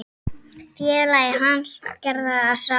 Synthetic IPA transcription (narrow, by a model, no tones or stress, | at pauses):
fjɛːðlajɪɦanscɛɾðaːðsa